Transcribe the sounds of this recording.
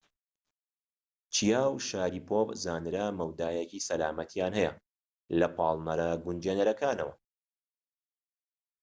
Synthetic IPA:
t͡ʃʰijaːwʃaːɾiːpʰoːpzaːnɨɾɐmɐwd̪aːjecisɐlaːmɐt̪ʰijaːnhɛjɛ̰ | lɐpʰɑːlˠnɐɾɐɡund͡ʒeːnɐɾɐkaːnɐwɐ

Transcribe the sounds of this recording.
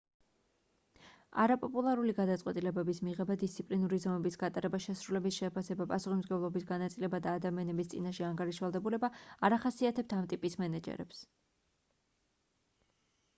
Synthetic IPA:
a̰ɾapʼɔpʼulˠaɾuliɡad̪at̪sʼqʼwɛt̪ʼilɛbɛbismiʁɛbad̪ist̪sʰipʼlinuɾizɔmɛbisɡat̪ʼaɾɛbaʃɛsɾulɛbisʃɛpʰasɛbapʼasuχismd̪ɡɛvlˠɔbisɡanat̪sʼilɛbad̪aːd̪amianɛbist̪sʼinaʃɛaŋɡaɾiʃvalˠd̪ɛbulɛbaaɾaχasiat̪ʰɛp̚t̪ʰamt̪ʼipʼismɛnɛd͡ʒɛ̰ɾɛ̰ps

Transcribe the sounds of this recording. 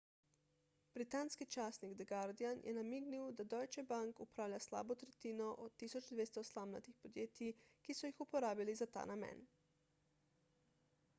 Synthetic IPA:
b̥ɾit̪aːnskit͡ʃaːsniɡd̪ɛɡaɾd̪ianjʔɛ̰namiːɡniwd̪ad̪ɔjt͡ʃɛbaŋkupɾaːwlʲasla̰ːbɔt̪ɾɛt̪iːnɔʔɔt̪ːiːsɔd͡ʒd̪ʋeːst̪ɔslamna̰t̪ixpɔd̪jeːt̪ikisɔjixupɔɾaːbilizat̪a̰ːnamɛ̰n

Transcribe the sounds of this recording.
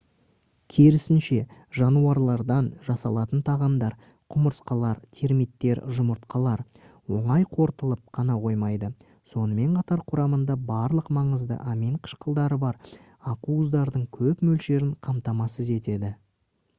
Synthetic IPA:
kʲʰeɾɪsɪnʃe̞ʒɑnuɑɾlˠɑɾd̪ɑnʒɑsɑlˠɑt̪ənt̪ʰɑʁɑmd̪ɑɾ | qʰʊməɾsqɑlˠɑɾt̪ʲʰe̞ɾmit̪ːe̞ɾʒʊməɾt̪qʰɑlˠɑɾ | wo̞ɴɑjqʰo̞ɾt̪əlˠəp̚qʰɑnɑqʰo̞jmɑjd̪ə | so̞nəme̞ɴqʰɑt̪ɑɾqʰʊɾɑmənd̪ɑbɑɾlˠəqmɑɴəzd̪ə̰ʔɑmeɴqʰə̥ʃqəlˠd̪ɑɾəbɑɾ | ɑquəzd̪ɑɾd̪əɴkʲʰɵpmɵlʃe̞ɾɪɴqʰɑmt̪ɑmɑsəze̞t̪e̞d̪ɪ

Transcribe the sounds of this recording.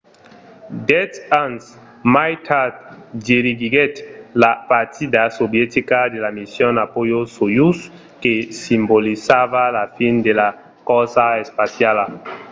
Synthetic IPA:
d̪ɛtans | majt̪ʰad͡ʒeɾiɡiɡɛt̪lapaɾt̪ʰid̪asobjɛt̪ikad̪elamisjonapojosojus | kesimbolisaβalafind̪ela | kɔsaespasjala

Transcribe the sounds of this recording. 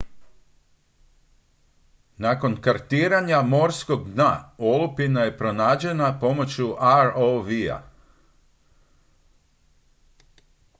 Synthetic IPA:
nako̞nkaɾt̪iːɾaɲamo̞ɾsko̞ɡd̪na̰olupinaje̞pɾo̞naːd͡ʑe̞napo̞mo̞t͡ɕuʔaɾoʋia̰

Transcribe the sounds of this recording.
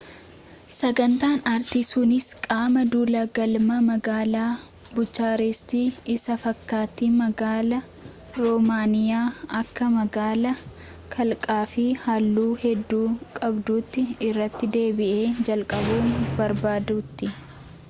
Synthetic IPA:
sɐɡɐnt̪aːnɐɾt̪ɪsʊnɪskʼaːmɐd̪uːlɐɡɐlmɐmɐɡaːlaː | bʊt͡ʃːaːɾɛst̪iːɪsɐfɐkːaːt̪iːmɐɡaːlɐ | ɾɔmaːnɪjaːɐkːɐmɐɡaːlɐ | kʰɐlkʼaːfɪhɐlːuːhɛd̪ːuːkʼɐbd̪uːt̪ːɪɪrːɐt̪ːɪd̪e̞ːbɪʔeːd͡ʒɐlkʼɐbuːnbɐɾbaːd̪ut̪ːɪ

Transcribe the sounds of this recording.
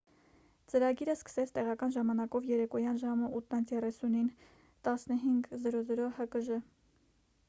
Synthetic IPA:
t͡səɾɑɡiɾəskə̥sɛt͡sʰt̪ɛʁɑkɑnʒɑmɑnɑkɔvjɛɾɛkɔjɑnʒɑməʔut̪ʰnənt͡sʰjɛrɛsunin | t̪ɑsnəɦiŋɡzəɾɔzɾɔhəkəʒə

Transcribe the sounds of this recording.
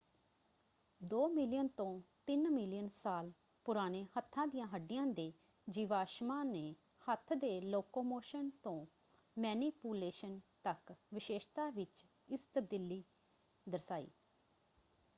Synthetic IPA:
d̪oːmɪlɪjənt̪õːt̪ɪnmɪlɪjənsaːl | pʊɾaːneːhət̪ʰːãːd̪ijãːɦəɖːɪjãːd̪eː | d͡ʒiːʋaːʃmaːneː | hət̪ʰd̪eːloːkoːmoːʃənt̪õː | mɛːniːpuːleːʃənt̪əkʋɪʃeːʃt̪aːʋɪt͡ʃ | ɪst̪əb̚d̪ɪlːiː | d̪əɾsaːḭː

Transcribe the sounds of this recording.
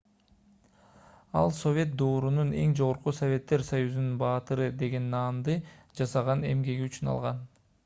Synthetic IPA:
ɑ̰lˠso̞vʲe̞t̪̚d̪o̞ːɾunune̞ŋd͡ʒo̞ʁoɾqusovʲe̞t̪ːe̞ɾsajuzununbɑːt̪ɯɾɯd̪e̞ɡe̞nːɑːnd̪ɯd͡ʒɑsɑʁɑne̞mɡe̞ɡiyt͡ʃynɑ̰lˠʁɑn

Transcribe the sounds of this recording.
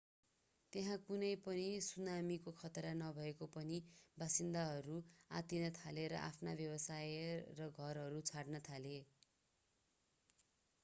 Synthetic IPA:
t̪eɦãkunʌjpʌnisunamikokʰʌt̪ɾanʌbʱʌekopʌnibasind̪aɦʌɾua̰t̪inʌt̪ʰaleɾʌ̰ʔa̰pʰnabjʌbʌsajrʌɡʱʌrɦʌɾut͡sʰaɽnʌt̪ʰale

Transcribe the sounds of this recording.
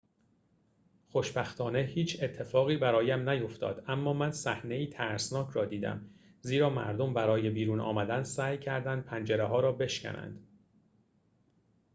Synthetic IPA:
xoʃbæxt̪ʰɒːne̞hiːt͡ʃʰe̞t̪ʰːe̞fɒːɣiːbæɾɒːjæmnæjo̞ft̪ɒ̰ːd̪̥æmːɒːmænsæhne̞iːt̪ʰæɾsnɒːcʰɾɒːd̪iːd̪æ̰m | ziːɾɒːmæ̰ɾd̪ombæɾɒːje̞biːɾuːnɒ̰ːmæd̪ænsæːjcʰæɾd̪ænd̪̚pʰænd͡ʒeɾeɦɒːɾɒːbe̞ʃkæ̰nʔæ̰nd̪̥

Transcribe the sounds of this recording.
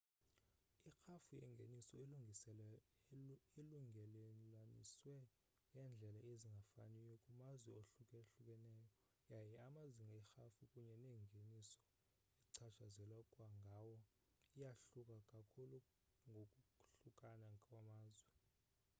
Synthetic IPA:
ixafujɛ̰ŋɡʱenisɔiluŋʱisɛlɛ | iluŋɡʱɛlelanḭswɛ | jɛnd͡ɮʱɛlaeziŋɡʱafa̰nijokʼumazwɛoɬukʼɛɬukʼɛnɛːjɔ | jajɛamaziŋɡʱɛxafukʼuɲɛneŋɡʱenisɔ̥ | iǀʰat͡ʃʰazɛlwakʼwaŋɡʱawɔ | ijaɬukʼakʼakʰulu | ŋɡʱokʼuɬukʼanakʼwamaːzwɛ

